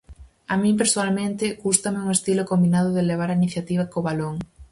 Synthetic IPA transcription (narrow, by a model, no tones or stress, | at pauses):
amĩmp̬eɾsoalmẽnt̪ɪɣust̪ɐmɪuŋest̪ilokombinaðʊðeleβ̞aɾainiθjat̪iβ̞ɐkoβaloŋ